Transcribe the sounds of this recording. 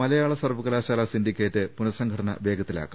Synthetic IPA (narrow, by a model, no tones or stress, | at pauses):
ɐlɐjaːɭɐsɐrʋuɣɐlaːɕaːlɐsindikʲːeːtːɨpunɐsɐŋɡʰɐʈɐnɐ̰ʋe̞ːɡɐt̪ːila̰ːkːu